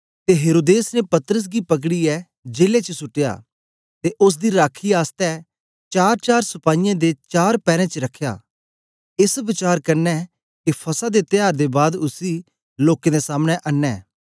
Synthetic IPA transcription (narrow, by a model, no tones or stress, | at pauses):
t̪eɦeːɾoːd̪eːsnepɐt̪ɾəs̬ɡipɐk̬ɽiɛ | d͡ʒeːlet͡ʃəsʊʈːeja̰ː | t̪eʔʊs̬d̪iɾaːkʰiaːst̪ɛ | t͡ʃaːɾt͡ʃaːɾsɐpaːijãd̪et͡ʃaːɾpɛːɾɛ̃t͡ʃəɾɐkʰːja̰ː | ɪsʋɪt͡ʃaːɾkɐɾnɛː | kipʰɐsad̪et̪ɪjaːɾd̪ebaːd̪ʊsiː | loːkẽd̪esaːmɽ̃eʔɐnːɛː